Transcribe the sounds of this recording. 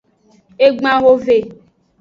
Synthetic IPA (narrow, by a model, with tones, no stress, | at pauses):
e˦ɡ͡bã˦ɣo˦ve˨